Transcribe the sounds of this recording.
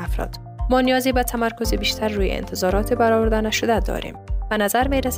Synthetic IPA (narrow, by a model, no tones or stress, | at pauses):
afɾɒ̰ːd̪̥ | mɒːnijɒːziːbæt̪ʰæmæɾkʰozibiːʃt̪ʰæɾːuːjḛḛnt̪ʰezɒːɾɒːt̪ʰibæɾɒːvoɾd̪ænæʃod̪æd̪ɒ̰ːɾḭːmb̥ænæzæɾmiːɾæs